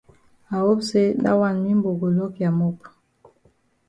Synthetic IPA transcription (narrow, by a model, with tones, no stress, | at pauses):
a˨wo˦bse˦da̰˦wa˦˨nmi˦mbo˨ɡo˨lɔ˦kja˨mo˦p